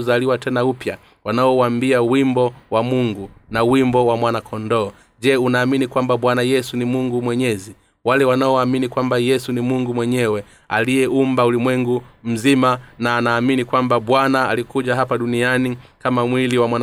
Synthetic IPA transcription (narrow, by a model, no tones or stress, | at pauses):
zaliwatɛnaupja | wanaɔwambiawimbɔwamuŋɡunawimbɔwamwanakʰɔndɔː | ʄɛːunaːminikwambaɓwanajɛsunimuŋɡumwɛɲɛzi | walɛwanaɔwaminikwambajɛsunimuŋɡumwɛɲɛwɛ | a̰lijɛʔumbaulimwɛŋɡum̩zimanaːnaːminikwambaɓwanaa̰likuʄaɦapaɗunianikamamwiliwamwan